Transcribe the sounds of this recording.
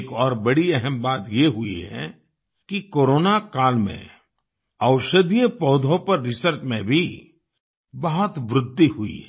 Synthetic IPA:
kɔːɾbɐɽiɛɦɛmbaːt̪jeɦʊḭɦɛ̰ | kikoːɾoːnakaːlmḛ̃ | ɐʊʃəd̪ijəpɔːd̪ʱõpɐɾːɪsəɾt͡ʃmẽbʱi | bɐɦɔt̪ʋɾʊd̪ʱːiɦuḭɦɛ

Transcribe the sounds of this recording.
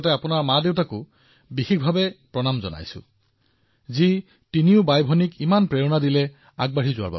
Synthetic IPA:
taapʊnaɹmadeʊtakʊ | bixikʰbʱabɛpɹɔnamzɔ̰na̰jsʊ̰̃ | zi | tiniʊbajbʱɔnikimanpɹeɹɔnadilɛ | aɡ̚baɹizʊa̰ba̰

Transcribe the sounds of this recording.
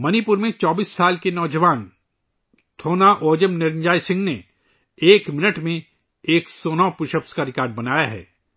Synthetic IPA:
mɐnipʊɾmẽt͡ʃɔːbiːsːaːlkenɔːd͡ʒəʋaːn | t̪ʰoːnaʔoːd͡ʒəmnɪɾɪ̃nd͡ʒaːjsɪ̃ŋɡne | eːkmɪnəʈmẽ | eːksɔːnɔːpʊʃəpskaɾɪkaːɾɖbɐnaːjaɦɛ̰ː

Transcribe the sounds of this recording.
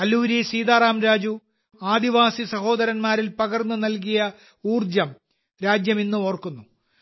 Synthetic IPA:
kɐlːuːɾisiːd̪aːraːmɾaːd͡ʑu | aːd̪iʋaːsisɐho̞ːd̪ɐɾɐnmaːɾilpɐɡɐrnːɨnɐlk̬ijɐ | uːrd͡ʑɐm | ɾaːd͡ʑjɐminːuo̞ːrkunːu

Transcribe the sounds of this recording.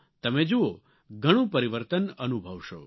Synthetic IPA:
t̪əmed͡ʒuo | ɡʱəɽ̃ũpəɾiʋəɾt̪ənənubʱəʋʃo̰

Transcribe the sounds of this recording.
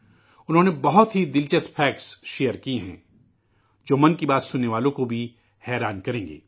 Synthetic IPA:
ʊnɦõːnebɐɦʊt̪ɦid̪ɪlt͡ʃəstpʰɛːksʃejəɾkieɦɛ̰̃ː | d͡ʒoːmɐnkibaːt̪sʊnːeʋaːlõkobʱi | hɛːɾaːnkɐɾẽːŋɡḛː

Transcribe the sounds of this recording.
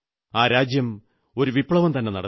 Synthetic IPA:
aːɾaːd͡ʑjɐm | o̞ɾuʋipɭɐʋɐmt̪ɐnːe̞nɐ̰ɽɐ

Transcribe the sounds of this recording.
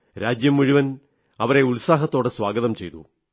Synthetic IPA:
ɾaːd͡ʑjɐmːuɻiʋɐn | ɐʋɐɾe̞uɭsaːɦɐt̪ːo̞ːɽɨswaːɡɐðɐmt͡ɕe̞jt̪ṵ

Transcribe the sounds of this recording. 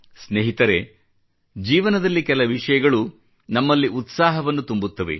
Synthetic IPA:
sneɦit̪ɐɾe̞ | d͡ʒiːʋɐnɐd̪ɐlːikɛlɐʋiʂɐjɐɡɐɭu | nɐmːɐlːiʔut̪saːɦɐʋɐnːut̪umbut̪ːɐʋḛ

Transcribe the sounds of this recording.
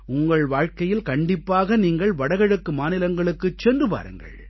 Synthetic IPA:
ʊŋɡɐɭʋaːɻkɐjɪlkɐɳɖɪpːaːɣɐniːŋɡɐɭʋɐɽɐɣɐɻɐkːɯmaːnɪlɐŋɡɐɭɯkːɯt͡ʃːɛndrɯpa̰ːɾɯ̰ŋɡɐ̰ɭ

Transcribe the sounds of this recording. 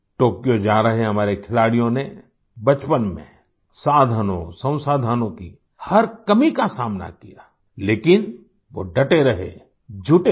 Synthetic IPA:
ʈoːkijod͡ʒaːɾɐɦẽɦɐmaːɾekʰɪlaːɽijõne | bɐt͡ʃpənmḛ̃ | saːd̪ʱənõ̰sɐ̃w̃saːd̪ʱaːnõki | hɐɾkɐmikasaːmna̰kijaː | leːkɪn | ʋoɖɐʈeɾɐɦḛ | d͡ʒʱʊʈe

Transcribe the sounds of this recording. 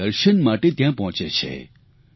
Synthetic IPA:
əɾʃənmaʈet̪jãpɔɦɔ̃t͡ʃet͡ʃʰḛ

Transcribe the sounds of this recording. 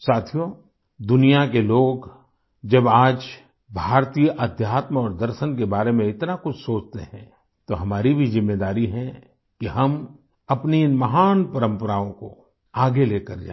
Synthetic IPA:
saːt̪ʰijo | d̪ʊnijakeloːɡ | d͡ʒɐbaːd͡ʒ | bʱaːɾt̪iːjʔɐd̪ʱjaːt̪mɔːɾd̪ɐɾʃənkebaːɾemẽɪt̪nakʊt͡ʃʰsoːt͡ʃt̪eɦɛ̃ː | t̪oɦɐmaːɾibʱizɪmːeːd̪aːɾiɦɛ̃ | kiɦɐm | ɐpniɪnmɐɦaːnpɐɾə̃mpəɾaːõko̰ | aːɡeleːkɐɾd͡ʒa̰ː

